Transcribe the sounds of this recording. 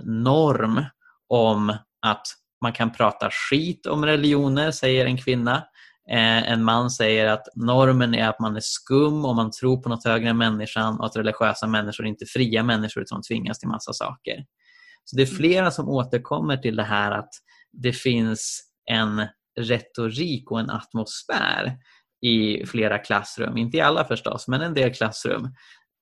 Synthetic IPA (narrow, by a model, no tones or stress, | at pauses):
nɔɾm | ɔm | at̪ | mankʰanpʰɾɑːt̪aɧiːt̪ʰɔ̰mɾɛlɪuːnəɾsɛjːəɾɛnkʰvɪnːa | ɛ̰nmanːsɛjːəɾat̪nɔɾmənæ̰ɾat̪manæʂkɵmːɔmːant̪ʰɾuːɾpʰɔnɔt̪høːɡɾəmɛnːɪʂanɔ̰at̪ɾɛlɪɧøːsamɛnːɪʂʊɾɪnt̪əfɾiːamɛnːɪʂʊɾʉ̟t̪ant̪ʰvɪŋːa̰st̪ʰɪlmʔa̰sːa̰sɑ̰ːkə̰ɾ | sɔd̪ɛːɾfleːɾasɔmʔoːt̪əɾkʰɔmːəʈʰɪld̪ɛɦæːɾa̰t̪ | d̪ɛfɪns | ʔɛn | ɾɛt̪ʊɾiːkɔɛnʔa̰t̪mʊsfæ̰ːɾ | ɪfleːɾakʰla̰sːɾɵ̰mːɪnt̪əɪalːafœʂʈɔ̰sːmɛnɛnd̪eːlkʰlasːɾɵ̰mː